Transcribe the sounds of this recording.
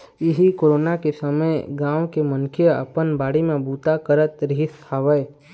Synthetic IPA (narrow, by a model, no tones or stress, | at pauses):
ɪɦikoːɾoːnakesəməjɡãːʋkemə̃nkʰijəə̰pənbaːɽimẽbuːt̪akəɾət̪ɾɪɦɪsaːʋəj